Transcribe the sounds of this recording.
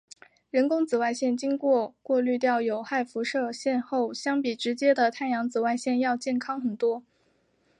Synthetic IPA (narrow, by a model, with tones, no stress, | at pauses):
ɻə˧˥nkʊ˥ŋt͡sɹ̩˨˩wa˥˧ɪɕjɛ˥˩nt͡ɕi˥ŋkwɔ˥˧kwɔ˥˧ly˥˧t̪̬jɑ˥˩ʊjo˨˧˩ʊxa˥˩ɪfu˧˥ʂɤ˥˧ɕjɛ˥˧nxo˥˩ʊɕjɑ˥ŋpi˨˩ʈ͡ʂɻ̩˧˥t͡ɕjɛ˥d̪ə˨t̪ʰa˥˩njɑ˧˥ŋt͡sɹ̩˨˩wa˥˧ɪɕjɛ˥˧njɑ˥˧ʊt͡ɕjɛ˥˩nkʰɑ˥ŋxə˨˩nt̪wɔ˥